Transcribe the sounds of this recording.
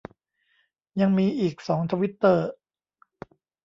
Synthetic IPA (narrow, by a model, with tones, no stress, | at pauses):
ja˧ŋmiː˧ʔiː˨˩k̚sɔː˩˦ŋt̪ʰaː˧wi˦˥t̪ːɤː˧˩